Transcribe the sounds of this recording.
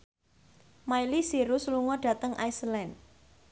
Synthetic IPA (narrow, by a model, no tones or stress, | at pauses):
majlisiɾusluŋɔd̥ä̤t̪əŋʔajsəlɛn